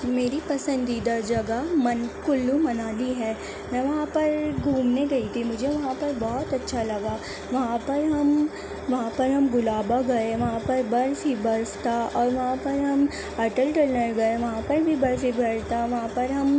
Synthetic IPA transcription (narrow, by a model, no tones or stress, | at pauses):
meːɾipɐsə̃nd̪id̪ɐɾd͡ʒɐɡamɐnkʊlːumɐnaːliɦɛː | mɛ̃ːʋɐɦãpɐɾɡʱuːmneɡɐit̪ʰimʊd͡ʒʱeʋɐɦãpɐɾbɔːɔt̪ɐtːʃʰalɐɡaː | ʋɐɦãpɐɾɦɐm | ʋɐɦãpɐɾɦɐmɡʊlaːbaɡɐeʋɐɦãpɐɾbɐɾfibɐɾst̪aɔːɾʋɐɦãpɐɾɦɐm | ɐʈəlʈəɾnəɾɡɐeʋɐɦãpɐɾbʱibɐɾfibʱɐɽt̪aʋɐɦãpɐɾɦɐm